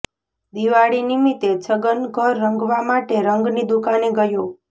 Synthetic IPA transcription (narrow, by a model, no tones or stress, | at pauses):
d̪iʋaɽinimit̪ed͡ʒəɡənɡʱəɾːəŋɡʋamaʈeɾəŋɡnid̪ukaneɡəjo